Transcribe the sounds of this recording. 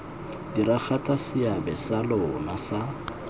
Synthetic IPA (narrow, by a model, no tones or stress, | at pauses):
dirak͡xʰatʼasɪabɛsalɔnasa